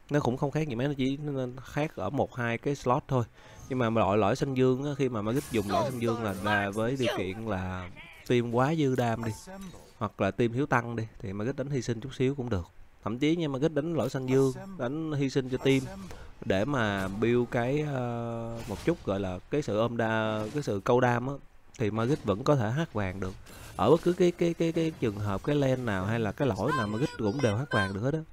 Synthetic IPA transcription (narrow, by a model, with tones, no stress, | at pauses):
nɔ˨˦kʊ̰˧˥ŋ͡mxə˧wŋ͡mxaː˦˥k̚ɲi˨˩ma˨˦nɔ˨˦t͡ɕḭ˧˩˧xaː˦˥k̚ʔəː˧˩mo˨˩t̚haː˧jkaː˨˦jslɔ˦˥t̚t̪ʰo˧j | ɲɨ˧ŋmaː˨˩m˨˦lɔ̰˧˨jlɔ̰˧˩˨jsa˧jŋ̟zɨ˧əŋʔaː˨˦xi˧maː˨˩ma˨˩ɣï˦˥k̟̚zʊ˨˩ŋ͡mlɔ̰˧˩˨jsa˧ŋzɨ˧əŋlaː˨˩zaː˧˩vəː˨˦jɗi˨˩əwkḭ˧˨ənlaː˨˩ | t̪i˧mkwaː˨˦zɨ˧ɗaː˧mɗi˧ | hwa˨˩k̚laː˨˩t̪i˧mhi˨˦wt̪a˧ŋɗi˧t̪ʰi˨˩maː˨˩ɣt̚ɗa˨˦jn̟hi˧si˧ŋ̟t͡ɕʊ˦˥k͡p̚si˨˦əwkʊ̰˧˥ŋ͡mɗɨ˨˩ək̚t̪ʰə̰˧˩mt͡ɕi˨˦ɲa˧maː˨˩ɣi˦˥t̚ɗa˨˦jŋ̟lɔ̰˧˨jsa˧ŋ̟zɨ˧əŋɗa˨˦jŋ̟hi˧sï˧ŋ̟t͡ɕɔ˧t̪i˧mɗe˧˩maː˨˩ɓi˧wkaː˨˦jəː˧mo˨˩t̚t͡ɕʊ˦˥t̚ɣɔ̰˧˨jlaː˨˩kaː˨˦jsɨ̰˧˨ʔəː˧mɗaː˧kaː˨˦jsɨ̰˧˨kə˧wɗaː˧mʔaː˨˦ | t̪ʰi˨˩maː˧ɣi˦˥t̚və̰˧˥nkɔ˨˦t̪ʰe˧˩ɦaː˦˥t̚vaː˨˩ŋɗɨ˨˩ək̚ | ʔəː˧˩ɓə˦˥kɨ˨˦kaː˨˦jkaː˨˦jkaː˨˦jkaː˨˦jt͡ɕɨ˨˩ə˩ŋɦəː˨˩p̚kaː˨˦jlɛ˧nːaː˨˩wɦa˧jlaː˨˩kaː˨˦jlo̰˧˥˩jnaː˨˩wmaː˧ɣi˦˥t̚kʊ̰˧˥ŋ͡mɗe˨˩whaː˦˥t̚vaː˨˩ŋɗɨ˨˩ək̚he˦˥ɔ˨˦